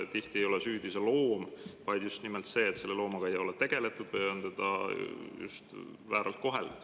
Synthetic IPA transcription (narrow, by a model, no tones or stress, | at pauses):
t̪iht̪ie̞jo̞lesyːd̪̥iselo̞ːmvɑjd̪̥just̪nimelt̪se̞ːt̪se̞lːe̞lo̞ːmɑɡ̥ɑejo̞let̪e̞ɡ̥e̞le̞t̪ːˑud̪̥veont̪e̞d̪̥ɑ̰jṵst̪ | væːɾɑlt̪̚ko̞ɦe̞̰l̥